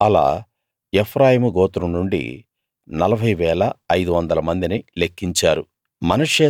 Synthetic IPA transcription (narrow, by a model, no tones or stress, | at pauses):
ɐla̰ː | epʰɾaːjimuɡɔːt̪uɾumnuɳɖḭ | nɐlɐbʱɐjʋɛːlɐːjd̪uʋɐnd̪ɐlɐmɐnd̪inilekːiɲt͡ʃaːɾu | mɐnɐʂeː